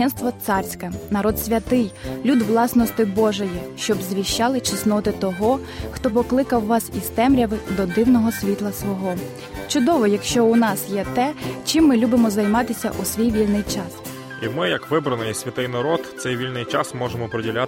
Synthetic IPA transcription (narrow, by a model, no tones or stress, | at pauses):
ɛnst̪ʋɔt̪sɑrʲsʲkɐnɐɾɔd̪sʲʋʲɐt̪ɪjlʲud̪ʋlˠɑsnɔst̪ɪbɔʒɔjiʃt͡ʃɔbzʋʲiʃt͡ʃɑlˠɪt͡ʃɪsnɔt̪ɪt̪ɔɦɔ | xt̪ɔp̬ɔklˠɪkɐwːɑsist̪ɛmɾʲɐʋɪd̪ɔd̪ɪwnɔɦɔsʲʋʲit̪lˠɐsʋɔɦɔ | t͡ʃʊd̪ɔʋɔjɐkʃt͡ʃɔʊnɑsjɛt̪ɛt͡ʃɪmːɪlʲubɪmɔzɐjmɑt̪ɪsʲɐ̰ʔusʲʋʲijʋʲilʲnɪjt͡ʃɑs | imɪjɐkʋɪbɾɐnɪjsʲʋʲɐt̪ɪjnɐɾɔt̪t̪sɛjʋʲilʲnɪjt͡ʃɑsmɔʒemɔpɾɔdʲilʲa